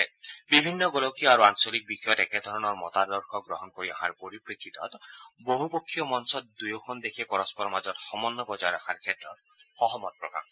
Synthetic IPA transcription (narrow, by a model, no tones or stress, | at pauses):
ebibʱinːɔɡolokijaɾuansɔlik̚bikʰɔjɔt̪eked̪ʱɔɾɔnɔɾmɔ̰t̪ad̪ɔɾkʰɔɡɾɔɦɔnɔkoɾia̰ɦa̰ɾpoɾipɾet̪it̪ɔ̰t̪boɦupokʰːijɔmɔnsɔt̪d̪ujɔkʰɔnd̪ekʰepɔɾɔspɔɾɔmad͡ʒɔthɔmɔnːɔbɔd͡ʒajɾakʰaɾkʰet̪ɾɔ | hɔɦɔmɔt̪̚pɾɔka̰ŋ